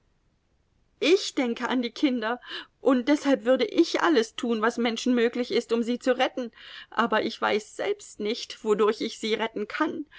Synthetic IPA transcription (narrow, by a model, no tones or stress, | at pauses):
ʔɪçd̥ɛŋkəʔandiːkʰɪndɐʔʊnt̚d̥ɛshalpv̥ʏɐdəʔɪçʔa̰ləstʰuːnvasmɛnʃn̩møːklɪçɪstʊmziːt͡suʁɛtn̩ʔaːbɐʔɪçv̥a̰ɪsz̥ɛlpstnɪçtv̥odʊɐçɪçz̥iːʁɛtn̩kʰan